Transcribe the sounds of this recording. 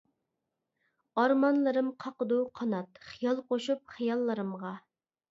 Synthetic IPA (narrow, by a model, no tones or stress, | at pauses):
ɑɾmɑnlˠɨɾɨmqʰɑqəd̪uqʰɑnɑt̪χijɑlˠqoʃup̚χijɑlˠːəɾɨmʁɑ